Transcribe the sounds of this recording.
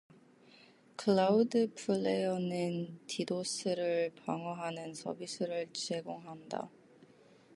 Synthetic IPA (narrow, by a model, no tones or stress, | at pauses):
kʰɯɭaudɯpʰɯɭːejʌnɯntʰidosʰɯɾɯɭpaŋʌɦanɯnsʰʌ̰bisʰɯɾɯɭt͡ɕe̞ɡoŋɦanda̰